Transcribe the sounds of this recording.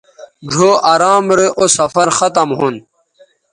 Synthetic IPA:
ɖʱoːʔaːɾaːmɾeʔosɐfɐɾxɐt̪ɐmɦun

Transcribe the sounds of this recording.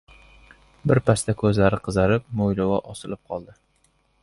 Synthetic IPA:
bɪɾpʰast̪akʰɵzlaɾɪqʰɨzaɾɪp̚mojlawɒʔɒsɪlɪp̚qʰɒlˠd̪ɪ

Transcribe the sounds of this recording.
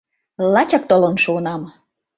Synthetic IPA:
lɑt͡ɕɑk̚t̪olə̆nʃuɤnɑm

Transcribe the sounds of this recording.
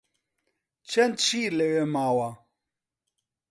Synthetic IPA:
t͡ʃɛnt͡ʃilɛwɛmawa

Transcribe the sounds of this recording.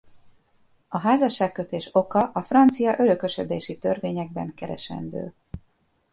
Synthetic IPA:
ɒɦaːzɒʃːaːkːø̞t̪eːʃo̞kɒʔɒfrɒnt̪sijɒʔøløkø̞ʃød̪eːʃit̪ørveːɲɛɡ̚bɛŋkɛɾɛ̰ʃɛ̰nd̪ø̰ː

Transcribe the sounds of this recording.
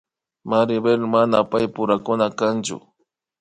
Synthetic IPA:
maɾɪbelmanapajpʊɾakʊnakant͡ʃʊ̰

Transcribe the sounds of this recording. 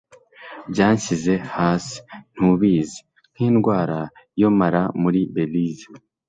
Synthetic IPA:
bɟaːɲcize̞haːsi̥n̥huβiːze | n̥hiːnɡwaːɾa | jo̞maɾamuɾibe̞lizi

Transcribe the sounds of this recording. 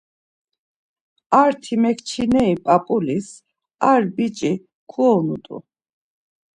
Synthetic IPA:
aɾt̪ʰimɛkʰt͡ʃʰinɛipʼapʼulis | aɾbit͡ʃʼi | kʰuɔnut̪ʼṵ

